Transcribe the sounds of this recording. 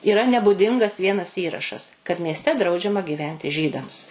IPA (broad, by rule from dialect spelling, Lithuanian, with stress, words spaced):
iːˈrɐ nʲɛbʊˈdʲɪŋɡɐs ˈʋʲiɛnɐs ˈiːrɐʃɐs kɐt mʲiɛsʲˈtʲɛ ˈdrɐʊd͡ʒʲɛmɐ ɡʲiːˈʋʲɛnʲtʲɪ ˈʒʲiːdɐms